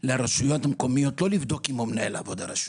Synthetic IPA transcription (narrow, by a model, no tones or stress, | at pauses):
leaɾaʃujot̪ameko̞mijo̞t̪lo̞livd̪o̞kimomnela̰vo̞d̪aɾaʃ